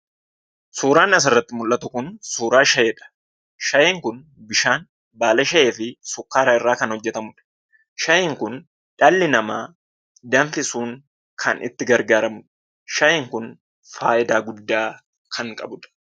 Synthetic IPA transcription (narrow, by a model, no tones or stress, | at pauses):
suːɾaːnɐs̬ɐrːɐt̪ːɪmʊlʔːɐt̪ʊkʊnsuːɾaːʃɐʔeːᶑɐ̥ | ʃɐjeːŋkʊn | bɪʃaːn | baːlɐʃɐʔeːfɪsʊkːaːɾɐɪrːaːkɐnhɔd͡ʒːɛt̪ɐmʊᶑɐ̥ | ʃɐjeːŋkʊn | ᶑɐlːɪnɐmaː | d̪ɐɱfɪsuːŋ | kʰɐnʔɪ̰t̪ːɪɡɐɾɡaːɾɐmʊᶑ | ʃɐjeːŋkʊn | faːʔɪd̪aːɡʊd̪ːaː | kʰɐŋkʼɐ̰bʊᶑɐ̥